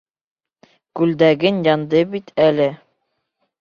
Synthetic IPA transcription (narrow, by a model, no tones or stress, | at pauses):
kʉld̪æɡɘnjɑnd̪ɤbit̪ʰælɘ